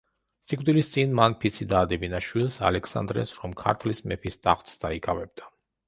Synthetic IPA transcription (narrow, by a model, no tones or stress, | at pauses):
sikʼd̪ilist̪sʼinmanpʰit̪sʰid̪aːd̪ɛbinaʃwilˠsa̰lɛksa̰nd̪ɾɛ̰sɾɔmkʰa̰ɾt̪ʰlismɛpʰist̪ʼaχt̪sd̪aikʼavɛb̚d̪a